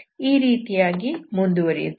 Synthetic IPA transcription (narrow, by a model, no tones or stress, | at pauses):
iːɾiːt̪ijaːɡimund̪uʋɐɾḭd̪